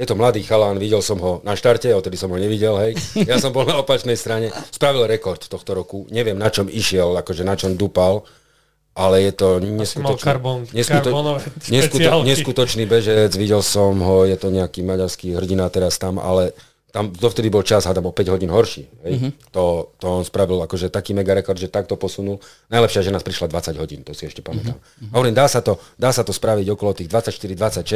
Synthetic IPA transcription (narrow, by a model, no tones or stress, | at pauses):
jɛt̪ɔmlad̪iːxalaːnʋiɟɛlsɔmɦɔnaʃt̪aɾcɛɔft̪ɛd̪isɔmɦɔɲɛʋiɟɛlɦɛjjasɔmbɔlnaɔpat͡ʃnɛjst̪ɾaɲɛspɾaʋilɾɛkɔɾt̪t̪ɔxt̪ɔɾɔkuɲɛʋɪɛmnat͡ʃɔmiʃɪɛlakɔʒɛnat͡ʃɔmd̪upal | ʔalɛjɛt̪ɔɲɛskuɔt͡ʃkaɾbnɲɛskuɾɲɛskuaɲɛsskut̪ɔt͡ʃniːbɛʒɛd͡zʋiɟɛlsɔmɦɔjɛt̪ɔɲɛakiːmaɟaɾskiɦr̩ɟinat̪ɛɾast̪ama̰lɛ | t̪amd̪ɔft̪ɛd̪ibɔlt͡ʃazɦad̪amɔpɛɟɦɔɟiːnɦɔɾʃḭːɦɛjt̪ɔt̪ɔɔnspɾaʋilakɔʒɛt̪akiːmɛɡaɾɛkɔɾd̪ʒɛt̪ak̚t̪ɔpɔsunulnajlɛpʃɪaʒɛnaːspɾiʃlad̪ʋat͡saɟɦɔɟiːnt̪ɔsiɛʃcɛpamɛt̪a̰m | ɦɔʋɔɾimd̪aːsat̪ɔd̪aːsat̪ɔspɾaʋiɟɔkɔlɔt̪iːɣd̪ʋat͡sacʃt̪iɾid̪ʋat͡sacʃɛ